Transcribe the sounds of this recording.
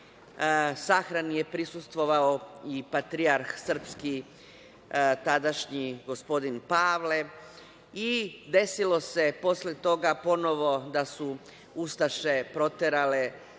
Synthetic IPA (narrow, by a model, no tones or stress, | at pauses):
saxɾanije̞pɾisust̪ʋo̞ʋaoipat̪ɾiaɾxsr̩pski | t̪ad̪aʃɲiɡo̞spo̞d̪inpaːʋle̞ | id̪e̞silo̞se̞po̞sle̞t̪o̞ɡapo̞no̞ʋo̞d̪asu | ust̪aʃe̞pɾo̞t̪eɾale̞